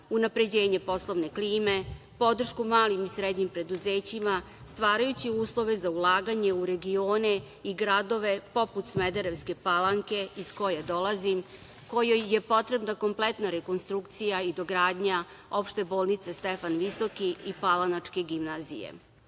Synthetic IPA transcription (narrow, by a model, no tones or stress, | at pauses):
unapɾe̞d͡ʑeːɲe̞po̞slˠoʋne̞kliːme̞ | po̞d̪r̩ʃkumaːlimisɾed̪ɲimpɾe̞d̪uzeːt͡ɕima | st̪ʋaːɾajut͡ɕiuːslˠo̞ʋe̞zaulˠaːɡaɲe̞uɾe̞ɡio̞ːne | iɡɾad̪o̞ʋe̞po̞put̪smed̪eɾeʋske̞palˠaŋke̞isko̞jed̪o̞lˠazim | ko̞jojːepo̞t̪ɾe̞bnako̞mplet̪naɾeko̞nst̪ɾukt̪sijaid̪o̞ɡɾaːd̪ɲa | o̞pʃt̪e̞boːlˠnit̪sest̪efanʋiso̞kiipalˠanat͡ʂke̞ɡimnazḭjḛ